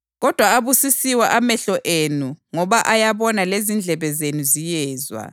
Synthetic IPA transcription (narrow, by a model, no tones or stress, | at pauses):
ɣɔd̥ʱwaaβusisiwaʔamɛɬɔʔenuŋɔβaʔajaβɔnalezind͡ɮʱɛβɛzenuzijɛːzwa̰